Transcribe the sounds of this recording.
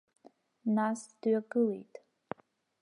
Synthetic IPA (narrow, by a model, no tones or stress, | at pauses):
nasd̥aɡɨlḛjtʼ